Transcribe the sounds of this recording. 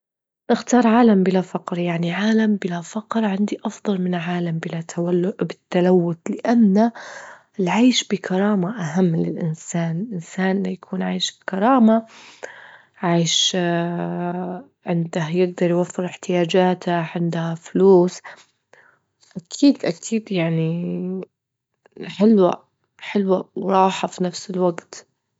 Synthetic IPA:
nɪxt̪ɑːɾˤʕaːlambɪlafɑqɾjaʕniʕaːlambɪlafɑqɾʕɪnd̪iʔɑfðˤɑlmɪnʕaːlambɪlaaabɪt̪ːalawːʊt̪lɪʔanːa | ɪlʕaːʃbɪkʰɑɾˤɑːmaʔaɦamːlɪ̰lʔɪ̰nsaːnɪlʔɪnsaːnʔɪajakʰuːnʕaːʃkɑɾˤɑːma | ʕaːjʃ | ʕɪnd̪ahajɪɡ̚d̪ɑɾˤjwafːɪɾɪħt̪ɪjaːd͡ʒaːt̪aʕɪnd̪hafluːs | ʔakʰiːd̪ʔakʰiːd̪jaʕni | ħɪlwa̰ | ħɪlwaɾˤɑːħafinafsɪlwaɡt̪

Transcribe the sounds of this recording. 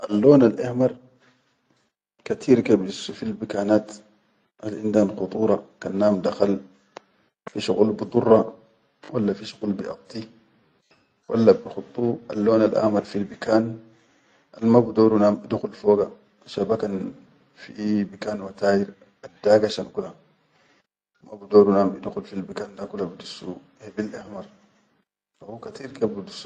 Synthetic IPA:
ʔalːoːnalʔahmɑɾˤ | kat̪ʰiːɾkabisfilbikaːnaːt̪ | ʔalʔind̪aanxʊt̪ˤuːɾˤɑkanːaːmd̪axal | fiʃuɣulbɨd̪ˤurˤːɑ | walːafiʃu̥ɣulbiʔɑ̰b̚t̪ˤi | wʔa̰lːabixʊt̪ˤːuːʔa̰lːoːnalʔa̰hmɑɾˤfilbikaːn | ʔalmabud̪oːɾunaːmid̪uxulfoːɡa | ʃabakan | fibikaːnwat̪aːjiɾ | adːaːɡaʃankula | mabud̪oːɾunaːmid̪uxulfilbikandakulabid̪usːu | hebilʔahmɑɾˤ | fahukat̪iːɾkabid̪usːu

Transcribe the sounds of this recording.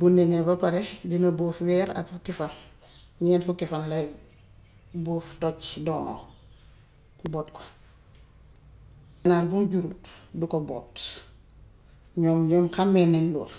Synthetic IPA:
buneŋebɐpaɾedinɐbofwɛːɾa̰kfukifan | ɲɛːnfukifanlɐ | boːftot͡ʃdono̰ | boːtko̥ | naːɾbumɟuɾutdukobo̰ːt | ɲoːmɲoːmkamenenlṵːɾ

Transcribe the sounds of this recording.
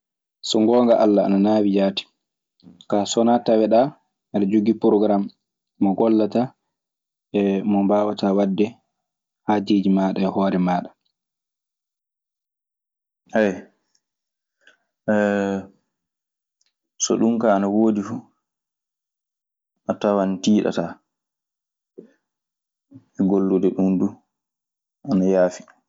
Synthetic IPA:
sɔŋɡɔːŋɡaʔalːaːnanaːwid͡ʒaːti̥ | kasɔnatawɛɗa | nɛɾd͡ʒoɡipɾɔɡɾamː | ɔɡɔlːata | ɛmɔmbaːwatawadːɛ | had͡ʒed͡ʒimaːɗaɛhɔːɾɛmaːɗḁ | haj | sɔɗumkaːnawoːdifu | ʔatawantiːɗa̰ta | ɛɡolːudɛɗumdu | ʔanajaːfi̥

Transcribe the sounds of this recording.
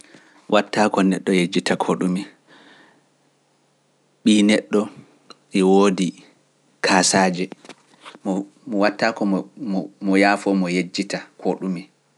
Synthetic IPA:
wʔatʰːaːkɔnɛɗːɔjed͡ʒːitakʰoɗumi | ɓiːnɛɗːɔ | ʔɛwoːdi | kʰaːsaːd͡ʒɛ | mɔ | mɔwatːaːkɔ | mɔjaːfɔmɔjed͡ʒːitakʰoɗumi

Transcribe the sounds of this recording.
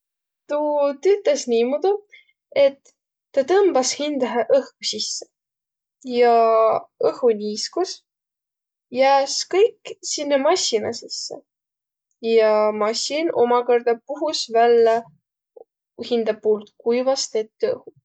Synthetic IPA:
t̪ut̪yt̪ːˑesnʲiːmud̪̥u | e̞t̪ː | ɑt̪ɤmb̥ɑshind̪̥ɑɦɑʔɤhkusisːe̥ | jɑ | ɤhunʲiːskus | jæːskɤjkːsinːemɑsʲːinɑ̰sesːḛ | jɑmɑsʲino̞̰mɑko̞rd̪̥ɑpuɦusvælːɑ | hind̪ɑb̚uːlt̪kujvɑst̪et̪ːɤ̰hu

